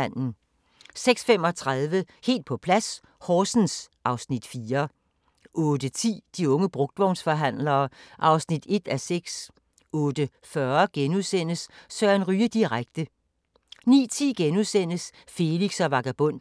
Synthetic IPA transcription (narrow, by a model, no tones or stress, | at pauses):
n̰n̩ | seɡ̥sfem̰ɒ̽t͡sʰʁaðˠʋəhe̝̰ːld̥̚pʰɒ̽pʰlæs | hɒːsn̩sʔɑ̈ʊsnid̥fiːɐ | ʔɔ̽ːd̥ət͡sʰḭːd̥iɔ̽ŋəb̥ʁɔ̽ɡ̥̚d̥ʋɒʊnsfɒ̽ɦæn̰lɐːʔɑ̈ʊsnid̥e̝d̥æseɡ̥s | ɔ̽ːd̥ə | fɶɐɡ̥enuðˠsen̰əssœɐnʁyːəd̥iʁaɡ̥̚d̥ə | nḭːt͡sʰḭːɡ̥enuðˠsen̰əs | fe̝liɡ̥sɒʋɑ̈ɡ̥æb̥ɔ̽n̰